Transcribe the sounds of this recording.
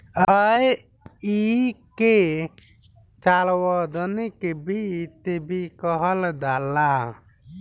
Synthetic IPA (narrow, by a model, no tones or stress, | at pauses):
əj | ike | t͡ʃalwɔd̪ɔnikebit̪ebikɔɦʌld̪ala